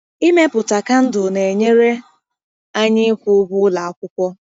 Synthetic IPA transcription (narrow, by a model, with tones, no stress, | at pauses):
i˦me˦pʊ˨ta˨ka˦n̩˦dʊ˨ne˨ɲe˦ɾe˦ | a˦ɲɪ˦kʷʊ˦bʊ˦la˨ɔ˦kʷʊ˦kʷɔ˦